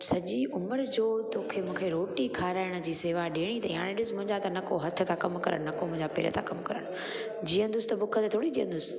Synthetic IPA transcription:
sɐʄiʔʊməɾd͡ʑoːt̪oːkʰemũːkʰeɾoːʈikʰaːɾaːɪɽ̃ə̆d͡ʑiːseːʋaɗeːɽ̃it̪ɐiɦã̰ːɽ̃ẽɗɪʊsmʊ̃ɦɪ̃ɲd͡ʑat̪ɐnɐkoɦɐt̪ʰːə̆t̪ʰãkɐmkɐɾə̰ɽ̃nɐkomʊ̃ɪ̃ɲd͡ʑapḛɾə̰t̪ʰãkɐmkɐɾə̰ɽ̃ | d͡ʑiːə̃nd̪ʊsɪ̥t̪ɐbʊkʰət̪ɐt̪ʰoːɽid͡ʑiːə̰̃nd̪ʊsɪ̥

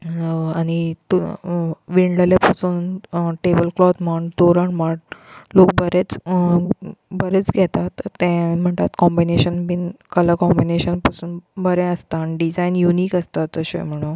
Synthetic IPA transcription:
añit̪ | ʋiɳɖləlepəsuːnʈebəlklɔt̪məɳd̪oɾəɳmaʈ̚lokbəɾet͡s | bəɾet͡sɡʱɛt̪at̪ːẽm̤əɳt̪at̪kɔmbineɕənbinkələkɔmbineɕənpəsuːnbəɾɛ̃əst̪anɖid͡zajnjuniːkəst̪at̪ːəɕḛ̃m̤əɽ̃ũ

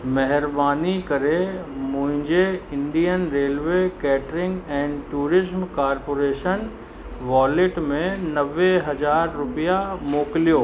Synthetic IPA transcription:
mɛɦɪɾbaːnikɐɾemʊ̃ɦɪ̃ɲd͡ʑeɪ̃nɖijənɾeːlʋekɛːʈɾɪ̃ŋɡɛ̃ːnɖʈuːɾɪzmkaːɾpoːɾeːʃən | ʋaːlɪʈmẽnɐʋeɦɐzaːɾːʊpijamoːkɪlijoː

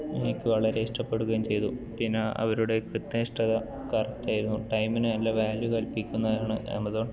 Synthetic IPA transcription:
inikʲːɨʋɐɭɐɾe̞iʂʈɐpːe̞ɽuɣɐjumt͡ɕe̞jt̪upinːaʔɐ̰ʋɐɾuɽe̞krɨt̪ːnɐiʂʈɐðɐ | kɐrɐt̪ːaːjiɾunːuʈɐjminɨnɐlːɐʋaːljukɐlpikʲːunːɐðaːɳɨʔḛmɐðoːɳ

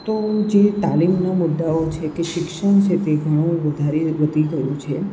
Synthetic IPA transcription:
t̪od͡ʒet̪alimnamʊd̪ːaot͡ʃʰekeʃɪkʃəɳ̃t͡ʃʰet̪eɡʱəɽ̃õʋəd̪ʱaɾeʋəd̪ʱik̪əɾjũt͡ʃʰe

